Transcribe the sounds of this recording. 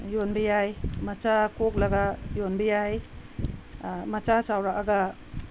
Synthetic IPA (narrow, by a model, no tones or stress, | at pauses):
jonbijajmat͡ʃakok̚laɡajonbijaj | mat͡ʃasawɾaʔaɡa